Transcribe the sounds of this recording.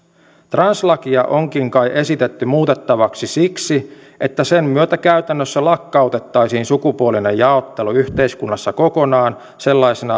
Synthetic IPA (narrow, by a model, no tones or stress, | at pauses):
t̪rɑnslɑkiɑʔo̞ŋkiŋkɑjʔe̞sit̪et̪ːymuːt̪e̞t̪ːɑʋɑksisiksiʔet̪ːæsemmyøt̪ækæyt̪ænːøsːælɑkːɑut̪e̞t̪ːɑjsiːnsukupuoline̞jjɑot̪ːeluyçt̪e̞iskunːɑsːɑko̞ko̞nɑːn | se̞lːɑjsenɑ